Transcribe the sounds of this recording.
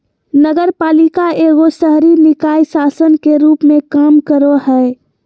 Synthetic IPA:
nəɡəɾpaːlikaeɡosəɦɾinɪkaːisasənkeɾuːpmẽkaːmkəɾoɦɛe

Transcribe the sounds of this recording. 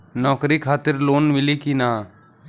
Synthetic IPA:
nɔːkɾiːkʰaːt̪ɪɾloːnmɪliːkinaː

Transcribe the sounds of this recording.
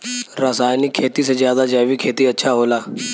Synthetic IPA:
ɾasaːjnɪkʰːeːt̪isezjaːd̪aːd͡ʒaːʋiːkʰeːt̪iːətːʃʰaːɦoːlaː

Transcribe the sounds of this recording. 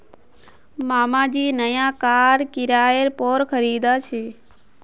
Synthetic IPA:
maːmãːd͡ʒiːnəjãːkaːɾkɪɾaːeɾpoːɾkʰəɾiːd̪aːt͡ʃʰeː

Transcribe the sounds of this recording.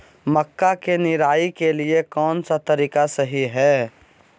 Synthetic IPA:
məkːakenɪɾaːikeliekɔːnsat̪ɐɾiːkasəɦiɦɛː

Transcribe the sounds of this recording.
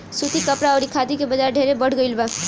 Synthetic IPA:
sut̪ikəpɾaəɾikʰad̪ikebəd͡ʒaɾɖʱeɾebəɽ̤ɡəɪlba

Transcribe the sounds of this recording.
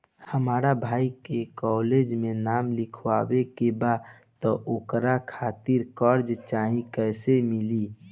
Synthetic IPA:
həmaɾabʱaikekɔled͡ʒmenamlikʰwabekeba | t̪ɔʔokɾakʰat̪iɾkəɾd͡ʒt͡ʃaɦĩkəsemili

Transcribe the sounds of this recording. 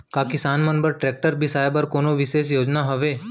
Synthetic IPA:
kakisanmənbəɾʈɾɛk̚ʈəɾbʱisajabəɾkonoʋiʃesjod͡ʑnaɦəʋe

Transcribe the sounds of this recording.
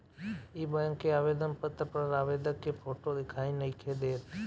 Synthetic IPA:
iːbə̃ŋkːeaːʋeːd̪ənpət̪ɾəpəɾaːʋeːd̪əkːepʰoːʈod̪ɪkʰaːĩnɐikʰeːd̪eːt̪

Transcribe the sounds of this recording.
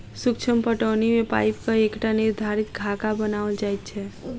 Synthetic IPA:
sʊkt͡ʃʰəmpəʈənimẽpa̰ɪp̚kəekʈaniɾd̪ʱaɾit̪ɡʱakabənaʋəld͡ʒajt̪̚t͡ʃʰe

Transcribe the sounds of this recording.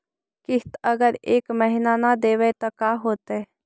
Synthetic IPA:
kɪɦt̪ɐɡəɾeːkmɛɦɪnanad̪eːʋet̪okaːɦoːt̪eː

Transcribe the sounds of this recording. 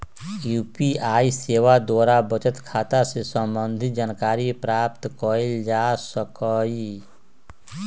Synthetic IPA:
juːpiaːiseːwad̪waːɾabət͡ʃət̪kʰaːt̪asesə̃mbə̃nd̪ʱid͡ʒaːnkaːɾipɾaːp̚t̪kɔild͡ʒaːsəkɔi

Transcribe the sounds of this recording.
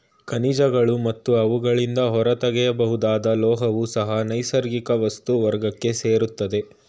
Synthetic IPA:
kɐnid͡ʒɐɡɐɭumɐt̪ːuɐʋuɡɐɭind̪ɐɦɔɾɐt̪ɐɡɛjɐbɐɦud̪aːd̪ɐlɔːɦɐʋusɐɦɐnɐjsɐɾɡikɐʋɐst̪uʋɐɾɡɐkːe̞seːɾut̪ːɐd̪e̞

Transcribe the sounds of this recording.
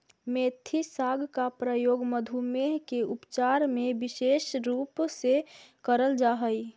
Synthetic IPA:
meːt̪ʰisaɡʱkapɾəjoːɡməd̪ʱumeɦkeʊpt͡ʃaɾmebɪʃeːʃɾuːpsekəɾəld͡ʒaɦəi

